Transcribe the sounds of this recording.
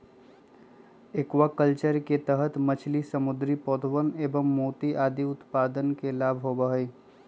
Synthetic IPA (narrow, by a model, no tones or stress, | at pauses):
ekwakəlt͡ʃəɾket̪əɦət̪mət͡ʃʰlisəmʊd̪ɾipɔːt̪ʋəneːʋəmːoːt̪iʔaːd̪iʊt̪paːd̪ənkelaːbʱɦobəɦeː